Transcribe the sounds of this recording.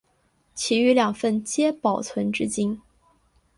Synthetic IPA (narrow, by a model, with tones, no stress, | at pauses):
t͡ɕʰi˧˥y˧˥ljɑ˨˩ŋfə˥˩nt͡ɕjɛ˥pɑ˨˩ʊt͡sʰwə˧˥nʈ͡ʂɻ̩˥t͡ɕi˥n